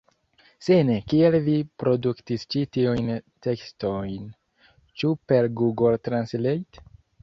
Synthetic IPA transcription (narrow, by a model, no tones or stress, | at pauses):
senekielvipɾo̞duktist͡ʃitiujnte̞kstojn | t͡ʃupe̞ɾɡuɡoltɾanslejt